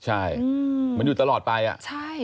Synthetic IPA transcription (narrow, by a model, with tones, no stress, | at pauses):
t͡ɕʰa˥˩jma˧njuː˨˩t̪a˧lɔː˨˩t̪̚pa˧jʔa̰˨˩ʔt͡ɕʰa˥˩j